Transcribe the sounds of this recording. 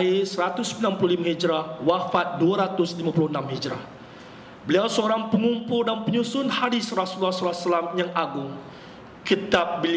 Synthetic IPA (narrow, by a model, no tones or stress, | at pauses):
isəɾat̪ʊsbilanpuluhlimahid͡ʒɾawafat̪̚duaɾat̪ʊslimãpuluhənamhid͡ʒɾa̰ | bəliawsəoɾaŋpəŋumpʊldanpəɲusʊnhadisrasulːasəlasalamjaŋʔaɡʊŋ | kit̪ap̚bəl